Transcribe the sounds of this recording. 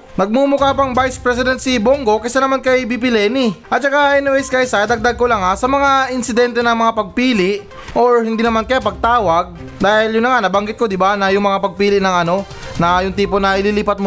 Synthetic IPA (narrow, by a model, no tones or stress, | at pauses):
nɐɡ̚mumʊkapɐŋbajspɾɛs̬ɪd̪ɛnt̪sɪboŋɡo̞kɐsanɐmankɐjbip̬ɪlɛniʔɐt̪̚t͡ʃɐkaʔɛnoɛskɐjsajd̪ɐɡ̚d̪aɡ̚kolaŋasɐmɐŋaɪnsɪd̪ɛnt̪ɛnɐŋmɐŋapɐɡ̚piːlɪʔ | ʔo̞ɹhɪnd̪iːnɐmankɐjapɐɡ̚t̪aːwɐɡ̚ | d̪aːhɪljʊnːɐŋanɐbɐŋɡɪt̪̚ko̞d̪ɪbanɐjʊŋmɐŋapɐɡ̚piːlɪʔnɐŋʔɐno̞ | nɐjʊŋt̪iːponɐʔɪliːliːpɐt̪̚mo